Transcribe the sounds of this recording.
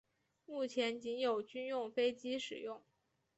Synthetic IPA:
mu˥˩t͡ɕʰjɛ˧˥nt͡ɕi˧˥njo˨˩ʊt͡ɕy˥njʊ˥˩ŋfe˥ɪt͡ɕi˥ʂɻ̩˨˩jʊ˥˩ŋ

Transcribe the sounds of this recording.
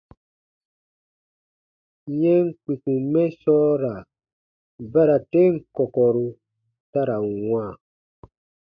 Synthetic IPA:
jɛ˦ŋ˦k͡pi˨ku˨mɛ˦sɔː˦ɾa˨ | ba˦ɾa˨te˦ŋ̩˦˨kɔ˨kɔ˨ɾu˨ | ta˦ɾa˨wã˦˨

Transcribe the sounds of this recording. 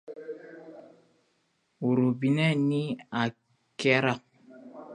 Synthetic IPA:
u˨ɾu˨bi˨nɛ˦ni˦a˨ | kɛ˦ɾa˦˨k̚

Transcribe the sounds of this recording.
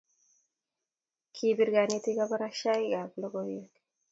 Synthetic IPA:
kʰi˨bi˦ɾɡa˨ni˦t̪i˦ɡa˦ba˦ɾa˦ʃa˦i˦ɡa˨blo˦ɡo˦jjo˦k

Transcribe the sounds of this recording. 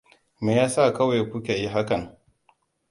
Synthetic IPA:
meː˨jaː˦sa˦˨kɐ˦wa˨jkʷʊ˦kʲe˨ji˦ɦa˦kɐ˨ŋ

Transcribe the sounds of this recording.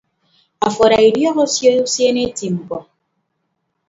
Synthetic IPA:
a˨fɔ˨ɾa˨i˨ɾjɔ˦ɣɔ˦sje˦u˦sje˦ne˦ti˨m̩˨bɔ˨

